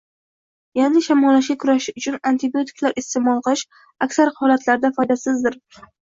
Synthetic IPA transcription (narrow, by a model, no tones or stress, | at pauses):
janɪʃamɒlaʃ̬ɡʲakʰʊɾaʃɪʊt͡ʃʰʊnant̪ʰɪbio̞t̪ʰɪ̥kʲlaɾʔɪst̪emɒlˠqɨlˠɪʃ | akʲsaɾhɒlat̪laɾd̪afɒjd̪asɪzd̪ɪɾ